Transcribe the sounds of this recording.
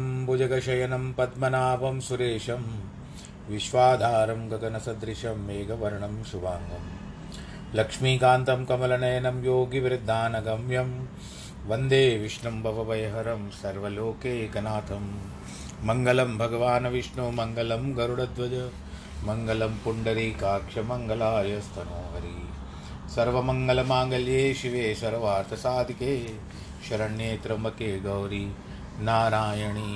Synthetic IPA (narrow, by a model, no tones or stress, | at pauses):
mbud͡ʒɐɡɐʃɐjɐnɐmpɐd̪mɐnaːpɐmsuɾeːʃɐm | ʋiʃʋaːd̪ʱaːɾɐmɡɐɡɐnɐsɐd̪ɾiʃɐmeːɡɐʋɐɾɐɳɐmʃuʋaːŋɡɐm | lɐkʂmiːkaːnt̪ɐmkɐmɐlɐnɐjɐnɐmjoːɡiʋɾid̪ʱːaːnɐɡɐmjɐm | ʋɐnd̪eːʋiʂɳɐmbʱɐʋɐʋɐjɐɦɐɾɐmsɐɾʋɐloːkeːkɐnaːt̪ʰɐmː | ɐŋɡɐlɐmbʱɐɡɐʋaːnɐʋiʂɳumɐŋɡɐlɐmɡɐɾuɽɐd̪ʋɐd͡ʒɐ | mɐŋɡɐlɐmpuɳɖɐɾikaːkʂɐmɐŋɡɐlaːjɐst̪ʰɐnoːɦɐɾi | sɐɾʋɐmɐŋɡɐlɐmaːŋɡɐljeːʃiʋeːsɐɾɐʋaːɾt̪ʰɐsaːd̪ʱikeː | ʃɐɾɐɳeːt̪ɾɐmɐkeːɡɐwɾi | naːɾaːjɐɳi